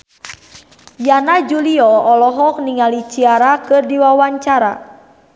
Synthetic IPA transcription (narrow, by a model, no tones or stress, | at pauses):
janad͡ʒuliɔɔlɔɦɔk̚niŋalit͡ʃiaɾakɨrdiwawaɲt͡ʃaɾa̰